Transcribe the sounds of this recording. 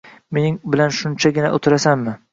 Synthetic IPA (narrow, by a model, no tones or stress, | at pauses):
menɪŋbɪlanʃʊnt͡ʃʰaɡʲɪnaʔo̰t̪ʰɪɾasanmɪ